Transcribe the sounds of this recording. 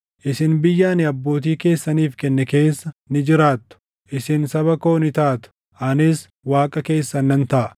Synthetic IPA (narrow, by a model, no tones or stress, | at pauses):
ʔɪsɪnbɪjːaːnɪɐbːo̞ːt̪̬iːke̞ːsːɐniːfkɛnːɛke̞ːsːɐnɪd͡ʒɪɾaːt̪ːʊ̥ | ʔɪsɪnsɐβɐko̞ːnɪt̪aːt̪ʊ̥ | ʔɐnɪs | waːkʼɐke̞ːsːɐnːɐnt̪ɐʔɐ